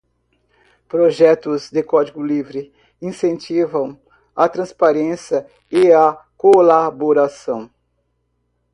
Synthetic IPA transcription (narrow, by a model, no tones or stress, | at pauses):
pɾoʒɛt̪ʊzd̪ɪkɔd͡ʒiɡʊlivɾɪ | ĩsẽnt͡ʃivɐ̃w̃ | at̪ɾɐ̃spaɾẽsjɐ | ɪakolaboɾasɐ̃w̃